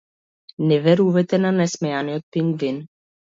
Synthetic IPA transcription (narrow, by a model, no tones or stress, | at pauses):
nɛvɛɾuvɛt̪ɛnanɛsmɛjanijɔt̪̚piŋɡvin